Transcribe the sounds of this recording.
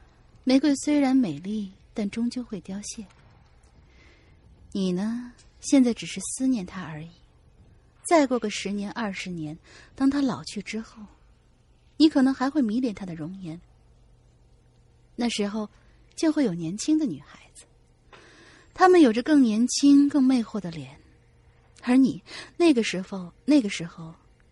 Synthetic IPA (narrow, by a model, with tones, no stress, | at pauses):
me˧˥ɪkwe˥˩ɪswe˥ɪɻa˧˥nme˨˩ɪli˥˩t̪a˥˩nʈ͡ʂʊ˥ŋt͡ɕjo˥˧ʊxwe˥˩ɪt̪jɑ˥ʊɕjɛ˥˩ | ni˨˩nə˦ | ɕjɛ˥˧nt͡sa˥˩ɪʈ͡ʂɻ̩˨˩ʂɻ̩˥˩sɹ̩˥njɛ˥˩nt̪ʰa˥ə˞˧˥i˨˩˦ | t͡sa˥˧ɪkwɔ˥˩ɡə˩ʂɻ̩˧˥njɛ˧˥nʔɐ˞˥˩ʂɻ̩˧˥njɛ˧˥nt̪ɑ˥ŋt̪ʰa˥lɑ˨˩ʊt͡ɕʰy˥˩ʈ͡ʂɻ̩˥xo˥˩ʊ | ni˧˥kʰɤ˨˩nɤ˧˥ŋxa˧˥ɪxwe˥˩ɪmi˧˥ljɛ˨˥˩nt̪ʰa˥d̪ə˨ɻʊ˧˥ŋjɛ˧˥n | na˥˩ʂɻ̩˧˥xo˥˧ʊ | t͡ɕjo˥˧ʊxwe˥˩jo˨˩ʊnjɛ˧˥nt͡ɕʰi˥ŋd̪ə˨ny˨˩xa˧˥ɪd͡zɹ̩˧ | t̪ʰa˥mə˨njo˨˩ʊʈ͡ʂə˦kɤ˥˩ŋnjɛ˧˥nt͡ɕʰi˥ŋkɤ˥˧ŋme˥˧ɪxwɔ˥˩d̪ə˩ljɛ˧˥n | ə˞˧˥ni˨˩˦nae˥˩ɪɡə˩ʂɻ̩˧˥xo˧ʊne˥˩ɡə˩ʂɻ̩˧˥xo˥˧ʊ